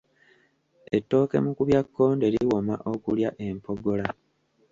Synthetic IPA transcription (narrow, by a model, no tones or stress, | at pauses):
etːo̞ːke̞̰mukuβjakːo̞ːnde̞liiwo̞maʔo̞kuljaʔe̞mpo̞ɡo̞la